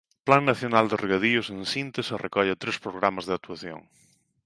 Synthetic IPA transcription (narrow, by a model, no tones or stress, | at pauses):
plaŋnaθjonald̪ereɣað̞iosẽnsint̪eserekɔʎat̪ɾespɾoɣɾamazðeakt̪uaθjo̰ŋ